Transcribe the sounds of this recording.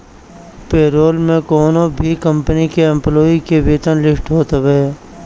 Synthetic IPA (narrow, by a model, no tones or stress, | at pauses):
peːɾoːlmẽkoːnobʱikə̃mpənikeɛ̃mploːikeʋiːt̪ənlɪsʈɦoːt̪ebeː